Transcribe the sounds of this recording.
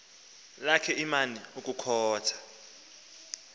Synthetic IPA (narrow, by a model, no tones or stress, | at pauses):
lakʰɛimaniuk̬ʼukʰɔːtʰḁ